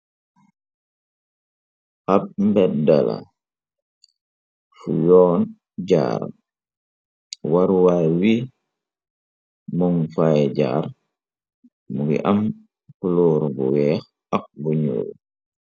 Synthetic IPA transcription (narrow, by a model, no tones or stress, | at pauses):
ʔap̚mbɛtda̰la̰ | fujɔːn | ɟa̰ːɾa̰ | waɾwawi | mɔŋfajɛɟa̰ːɾ | muɡḭʔɐm | kuluːɾbṵwɛːx | ɐk̚buɲṵːl